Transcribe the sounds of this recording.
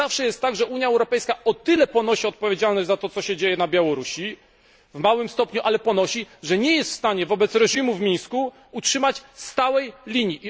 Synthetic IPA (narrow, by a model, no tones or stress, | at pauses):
afʂɛjɛst̪ːaɡʐɛuɲjaɛwɾɔpɛjskaɔt̪ɘlɛpɔnɔɕiɔt̪̚pɔvʲjed͡ʑalnɔd͡ʑʲzat̪ɔt̪sɔɕɛd͡ʑejɛnabʲjawɔɾuɕi | vmawɘmst̪ɔpɲuʔalɛpɔnɔɕiʐɛɲɛjɛst̪fst̪aɲɛvɔbɛt̪sɾɛʐimuvmʲiɲsku | utʂɘmat͡ɕst̪awɛjlʲiɲjiʔi